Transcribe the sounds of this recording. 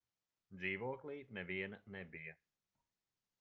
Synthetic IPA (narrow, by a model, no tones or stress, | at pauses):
d̪ziːvuɔklˠiːnɛviɛnnɛbijə